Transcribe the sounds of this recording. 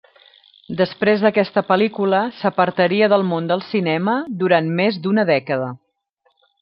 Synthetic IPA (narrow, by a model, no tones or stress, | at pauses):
d̪əspɾezðəkɛst̪əpəlikuləsəpəɾt̪əɾiəðəlˠmond̪əlˠsinɛməd̪uɾanmezd̪unəðɛkəðə